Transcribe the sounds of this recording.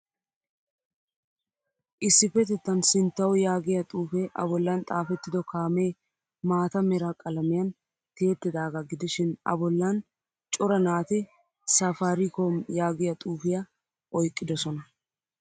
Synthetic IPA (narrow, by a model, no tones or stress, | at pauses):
ʔɪsːɪfɛt̪ɛt̪ːɐnsɪnt̪ːɐwɔjaːɡɪjɐt̪ʼuːfeʔɐ̰bɔlːɐnt̪ʼaːfɛt̪ːɪd̪ɔkaːmeː | maːt̪ɐmɛɾakʼɐlɐmɪjɐn | t̪eːt̪ːɪd̪aːɡɐɡɪd̪ɪʃɪnɐ̰bɔlːɐn | t͡ʃʼɔɾɐnaːt̪ɪ | sɐfaːɾɪkomjaːɡɪjɐt̪ʼuːfɪjɐ | ʔɔjkʼːɪd̪ɔsɔnɐ